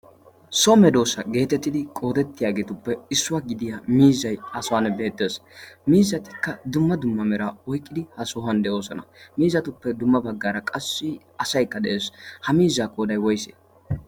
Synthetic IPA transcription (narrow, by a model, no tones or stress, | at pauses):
sɔmɛd̪o̞ːsɐɡe̞ːt̪ɛt̪ːɪd̪ɪkʼo̞ːd̪ɛt̪ːɪjaːɡe̞ːt̪ʊpːɛɪsːʊwaɡɪd̪ɪjaːmiːzɐjɐsɔwanɛbe̞ːt̪ːe̞smiːzːɐt̪ɪ̥kːɐd̪ʊmːɐd̪ʊmːɐmɛɾaɔjkʼːɪd̪ɪhɐsɔɦɐnd̪ɛʔo̞ːsɔnɐmiːzɐt̪ʊpːɛd̪ʊmːɐbɐɡːaːɾɐkʼɐsːɪ | ɐsɐjkːɐd̪ɛʔeːshɐmiːzːaːkʼoːd̪ɐjwɔjsḛː